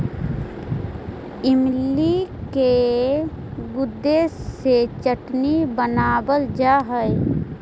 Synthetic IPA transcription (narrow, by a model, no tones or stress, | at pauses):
ɪmlike | ɡʊd̪ːeset͡ʃəʈnibənaːbəld͡ʒaːɦəj